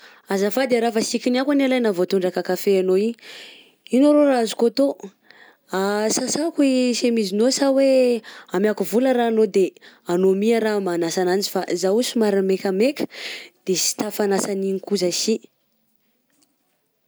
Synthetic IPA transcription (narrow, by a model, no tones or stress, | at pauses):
azafad̪eɾafasikʲinakanalajnavot̪uɳɖ͡ʐakakafeanoi | inoɾoɾaazukot̪o | asasakuisemizinosaweamjakuvuləɾaːnod̪e | anomiaɾamanasananzi̥fazausumaɾimekʲamekʲə̥d̪̥esi̥t̪afanasaniŋkuzasi